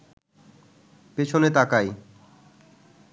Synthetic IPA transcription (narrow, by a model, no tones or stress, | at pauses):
pet͡ɕʰonet̪akaj